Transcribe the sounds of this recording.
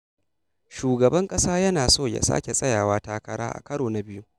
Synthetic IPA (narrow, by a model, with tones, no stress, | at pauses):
ʃuː˨ɡɐ˨bɐ˦ŋkʼɐ˦saː˦jɐ˦naː˨soː˦˨ja̰˨sa̰ː˦kʲe˨sʼɐ˦jaː˨waː˦taː˦kɐ˦ɾa̰ː˦ʔa̰˨kɐ˦ɽoː˨na˨bɪ˦ju˦